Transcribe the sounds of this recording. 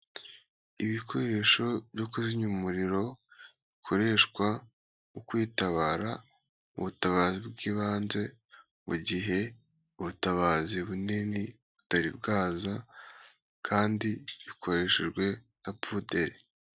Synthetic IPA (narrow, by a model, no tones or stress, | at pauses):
iβikʰo̞ɾe̞ʃo̞bjokuziɲumuɾiɾo̞βikʰo̞ɾe̞ːʃkwa | ŋokwiːtaβaːɾa | ṵβutaβaːzibɡiːβaːnze̞ | muɟiɦe̞ | uβutaβaːziβuneni | βu̥taɾibɡaːza | kʰaːndiβikʰo̞ɾe̞ʃe̞ʒɡwe̞ | napude̞ɾi